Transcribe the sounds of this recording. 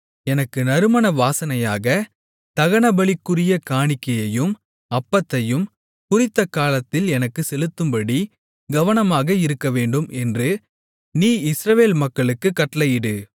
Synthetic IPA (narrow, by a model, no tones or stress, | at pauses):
ɛnɐkːɯnɐɾɯmɐnɐʋaːsɐnɐjaːɣɐ | t̪ɐɣɐɳɐbɐɭɪkːɯrɪjɐkaːɳɪkːɐjɐjɯm | ɐpːɐt̪ːɐjɯm | kʊrɪt̪ːɐkaːlɐt̪ːɪlɛnɐkːɯsɛlɯt̪ːɯmpɐɽi | ɡɐʋɐnɐmaːɣɐɪɾɯkːɐʋeːɳɖɯmʔɛndrɯ | niːɪsɾɐʋeːlmɐkːɐɭɯkːɯkːɐʈːɐlɐjɪɽɯ